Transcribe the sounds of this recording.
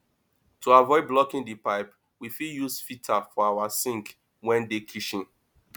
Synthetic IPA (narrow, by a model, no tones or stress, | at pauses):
tʰuavɔɪblɔkĩndipaɪp | wifiljusfitʰafɔawasĩŋk | wɛ̃ndekʰiʃĩn